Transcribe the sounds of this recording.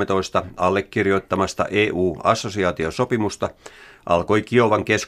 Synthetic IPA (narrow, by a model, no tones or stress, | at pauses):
et̪oist̪ɑɑlːekːirjo̞it̪ːɑmɑst̪ɑ̰ʔeːʔuːɑsːosiɑːt̪iosopimust̪ɑʔɑ̰lkoikioʋɑŋkes